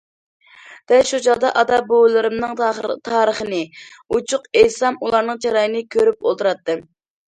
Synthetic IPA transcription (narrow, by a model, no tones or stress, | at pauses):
d̪̥ɛʃut͡ʃɑd̪ɑʔɑd̪ɑbowlˠɨɾɨmnɨŋt̪ʰɑːɾəχənɨut͡ʃʰʊqejsɑmulˠɑɾnɨŋt͡ʃʰɑɾɑjɨnɨkʲʰøɾyp̚o̰lˠt̪ʰɨɾɑt̪ːɨ